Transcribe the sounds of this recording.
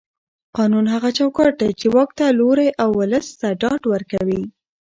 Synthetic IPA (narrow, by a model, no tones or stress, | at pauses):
qɑnunɦaɣat͡ʃawkɑʈ̚d̪at͡ʃewɑk̚t̪aloɾajʔawːʊləst̪aɖɑɖwəɾkawi